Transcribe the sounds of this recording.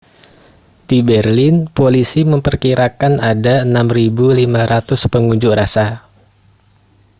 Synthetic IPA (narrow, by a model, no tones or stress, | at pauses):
dibɛrlɪnpolisiməmpərkiɾakanadaənamribulimaɾat̪ʊspəŋuɲd͡ʒʊʔrasa